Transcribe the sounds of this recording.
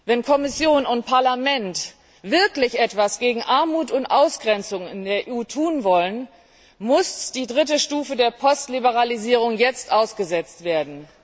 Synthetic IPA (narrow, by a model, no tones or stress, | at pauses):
vɛnkʰɔmɪsjoːnʊnt̚pʰaɐlamɛnt | v̥ɪɐklɪçʔɛtv̥asɡ̥eːɡŋ̩ʔaɐmuːtʊntʔaʊsɡ̥ʁɛnt͡sʊŋɪndeːɐʔuːtʰuːnvɔlən | mʊsd̥iːdʁɪt̬əʃtuːfədeːɐpʰɔstlibəʁ̞aliziːʁ̞ʊŋjɛt͡stʔaʊsɡ̥əzɛt͡stv̥eːɐdn̩